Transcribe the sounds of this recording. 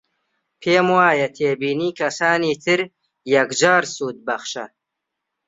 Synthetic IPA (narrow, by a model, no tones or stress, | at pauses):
pʰeːmwaːjɐt̪ʰeːbiːniːkʰɐsaːniːt̪ʰɨɾ | jɐkd͡ʒaːɾsuːd̪̚bɐχʃɐ̰